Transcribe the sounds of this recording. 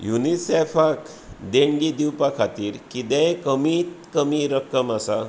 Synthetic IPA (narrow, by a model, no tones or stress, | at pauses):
junisefak | d̪eɳɡid̪iwpakʰat̪iːɾkid̪ɛ̃jkəmiːt̪kəmiɾəkəmasa